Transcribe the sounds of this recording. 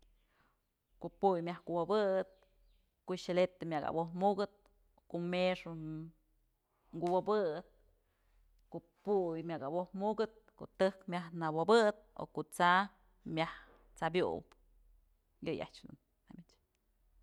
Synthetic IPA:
koʔpujmʲahkuwabɨɨt̪̚ | kuʔʃelet̪emʲaka̰bohmuɡɨt̪̚ | koʔmeʂu | ŋɡuwabɨɨt̪̚ | ko | pujmʲakabohmuɡɨt̪̚ko̰ʔt̪ɨhkmʲaɦnawabɨt̪̚o̰kuʔt͡sa | mʲah | t͡sabjṵp | jɨja̰ʔt͡ʃd̪ṵnː | amʲit͡ʃ

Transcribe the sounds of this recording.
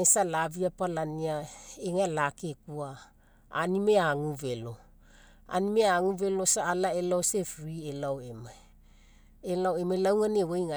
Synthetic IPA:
esalaviapalaniaeŋalakekua | a̰nime̞aŋuvelo̞ | a̰nimeaŋuvelosaalaelaosefɾielaoema | elaoemalawŋanewejŋa

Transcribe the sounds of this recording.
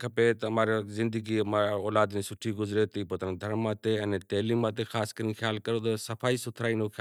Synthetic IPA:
kʰɐpet̪ɐɐmaːɾezɪ̃nd̪əɡimaɔːlaːd̪nẽsʊʈʰiɡʊzɾet̪iːpot̪nd̪ʱɐɾmːãːt̪eɛ̃ːnɛt̪ɐːliːmːãːt̪exaːskəɾiːnxʰjaːlkɐɾot̪ɐsɐfʰaːisʊt̪ʰɾaːiːnoxʰja

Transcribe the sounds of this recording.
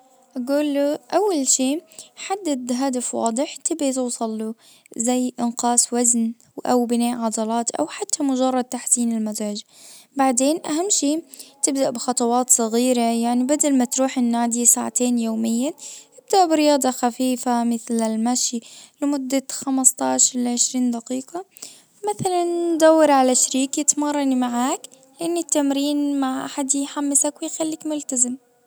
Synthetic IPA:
ʔaɡuːlːuʔawːalʃiːħad̪ːad̪ɦad̪afwɑ̰ːd̪ˤɨħt̪ɪbʕit̪uːsˤɑlːu | zajːʔɪnqɑːswazn | ʔawbɪnaːʔʕɑd̪ɑlɑːt̪ʔa̰wħat̪ʰːamʊd͡ʒɑrˤːɑd̪̚t̪aħsiːnɪlmazɾad͡ʒ | baʕd̪eːnʔaɦamːʃiːt̪ɪbd̪aʔbɪxɑt̪ˤɑwɑːt̪sˤɑɣiːɾajaʕnibad̪almat̪ɾuːħɪnːaːd̪isaːʕat̪eːnjoːmɪjːat̪ɪb̚d̪aʔbɪɾɪjɑːd̪ˤɑxafiːfamɪθlɪlmaʃilmʊd̪ːaxamst̪ˤɑːʃɾlʕɪʃɾiːnd̪aqiːqɑ | maθalannd̪awːɪɾʕalaʃɾiːkjɪt̪mɑrˤːɑnimaʕaːk | lɪʔɪnːit̪ːamɾiːnmaʕʔaħad̪jħamːɪsakwɪjxalːiːkmʊlt̪azɪm

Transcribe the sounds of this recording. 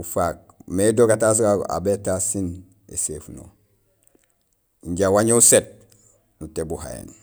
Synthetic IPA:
ufak̚ | medoːkatas̬aa̰betasin | ḛsefno̰ | iɲɟawaɲouset̚ | nutebuha̰jḛn

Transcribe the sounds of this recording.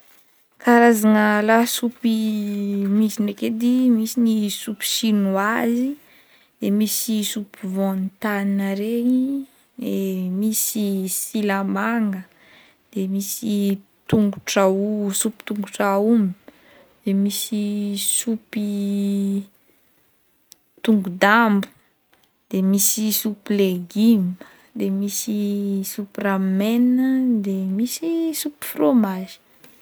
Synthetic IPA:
kaɾazaŋəlasupi | misineked̪imisinisupi̥sinuazi | d̪̥emisisupivõnit̪aninaɾei | d̪emisisilamaŋɡə | d̪̥emisi | t̪uŋɡuʈ͡ʂausupi̥t̪uŋɡuʈ͡ʂaum | d̪̥emisisupi | t̪uŋɡud̪ambu̥ | d̪̥emisisupileɡim | d̪emisisupramenəd̪emisisupi̥fromaʒi̥

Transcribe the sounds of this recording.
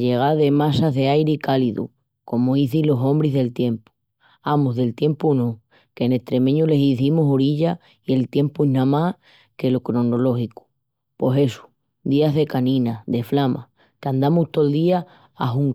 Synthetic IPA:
ʎe̞ɣ̞aðe̞masazðe̞ajɾeikaliðṵ | ko̞moiθilo̞sõ̞mbɾiɦðe̞lt̪je̞mpu̥ | amoɦðe̞lt̪je̞mpuno | kene̞ht̪ɾe̞mẽɲule̞siθimusoɾiʎa | ie̞lt̪je̞mpuenãma | ke̞lokɾo̞nolo̞hiku̥ | po̞se̞su̥ | d̪iaɦðe̞kanĩnaðe̞flama̰ | kand̪amuht̪old̪iaː | ɦuŋ

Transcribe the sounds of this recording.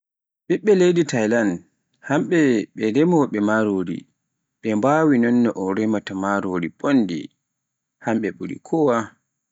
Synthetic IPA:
ɓiɓːɛlejditajlan | hamɓɛɓɛdɛmɔɓɛmaɾoːdḭ | ɓɛmbaːwinɔnːɔʔɔɾɛmatamaɾoːɾiɓonːdḭ | hamɓɛɓuɾḭkʰɔwa

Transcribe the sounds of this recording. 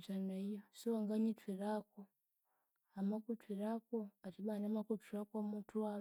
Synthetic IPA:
t͡ʃaneijosiaŋɡaɲitwiɾako | amakutwiɾakoatiɓanamakutiɾakomutʰua

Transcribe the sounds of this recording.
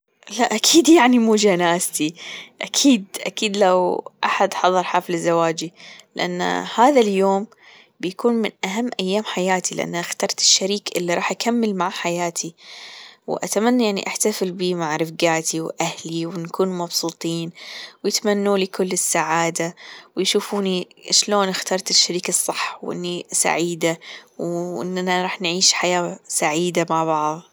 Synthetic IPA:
laʔakʰiːd̪jaʕnimuːd͡ʒanaːzt̪iʔakʰiːd̪ʔakiːd̪lawʔaħad̪ħɑðˤɑɾˤħaflɪzːawaːd͡ʒilɪʔanːa̰haːðaljoːm | bɪjakuːnmɪnʔaɦamːʔajːaːmħajaːt̪ʰilɪʔa̰nːaxt̪ɑɾˤt̪ɪ̥ʃːaɾiːkʔɪlːiɾˤɑːħʔakʰamːɪlmaʕaħajaːt̪ʰi | wʔa̰t̪amanːajaʕnḭʔaħt̪afɪlbiːmaʕɾɪfɡaːt̪ʰiwʔahliwnkuːnmɑbsˤuːt̪ˤiːnwjɪt̪manːuːliːkʊlːɪsːaʕaːd̪awjʃuːfuːniʃloːnɪxt̪ɑːɾˤt̪ɪʃːaɾiːkasˤːɑħːwʔɪ̰nːisa̰ʕiːd̪awʔɪ̰nːanaɾˤɑːħnʕiːʃħajaːsaʕiːd̪amaʕbɑʕðˤ

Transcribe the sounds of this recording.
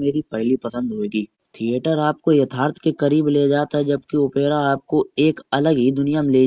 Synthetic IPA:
meːɾipɐɦlipɐsə̃nd̪ɦoeːɡiː | t̪ʰieːʈəɾaːp̚kojɐt̪ʰaːɾt̪ʰkekɐɾiːbleːd͡ʒaːt̪aɦɛd͡ʒɐb̚kiʊpeːɾaaːp̚koeːkɐləɡɦid̪ʊnijamẽleː

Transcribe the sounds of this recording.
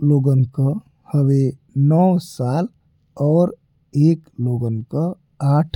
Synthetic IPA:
loːɡənkə | həʋe | nɔːsaːl | ɔːɾ | eːkloːɡənkə | aːʈʰ

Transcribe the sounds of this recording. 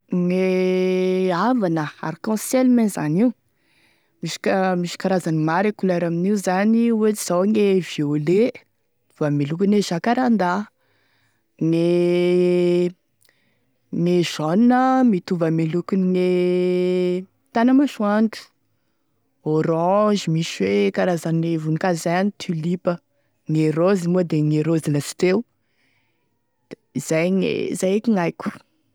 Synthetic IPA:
ŋe | avanəa̰ɾikɔ̃selmenzaniu | miʃi̥kəmiʃi̥kaɾazanimaɾakulaɾaminiuzaniwet͡siz̥awŋevele | vamilukineʒ̥akaɾand̪a | ne | nezɔnnəmit̪uvəmelukuniŋe | t̪anəmaʃuaɳʈ͡ʂu̥ | oɾɔʒimiʃwekaɾazanevunikazajanit̪ʰulipə | ŋeɾozimuəd̪eŋeɾoziləsi̥ʈ͡ʂew | iz̥ajŋḛzajekʲiŋajkʲu̥

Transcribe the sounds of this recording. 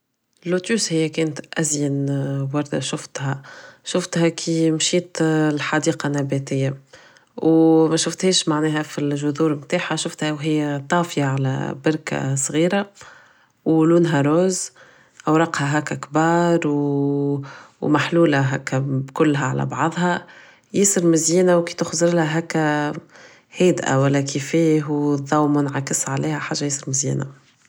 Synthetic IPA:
ɪlːut̪uːshɪjːækɛːnət̪ʔæzjənwɑɾˤd̪æ̰ʃʊft̪hæʃʊft̪hækʰimʃiːt̪lħɑd̪iːqɑnːæbæt̪ɪjːa | wmæʃʊft̪hɛːʃmaʕnɛːɦæfilʒʊðuːɾmt̪aːħaʃʊft̪hæwɦɪjːæt̪ˤɑːfjaʕalæ̰bɪɾka̰sˤɣiːɾa | wluːnɦɑɾˤoːz | ʔawɾˤɑqhɑɦækːækbɑːɾˤw | maħluːlaɦæ̰ːkːæbkʊlːɦaʕa̰læ̰bɑ̰ʕðˤɦɑ | jɪsɨɾmɪzjiːnawkiːt̪ʊxzɾˤɪlhæɦæːkːæ | heːd̪ʔa̰wælːækʰifiːɦwðˤɑwmʊnʕakɪsʕaliːhæħaːʒːajesˤɨɾmɪzjḭːna

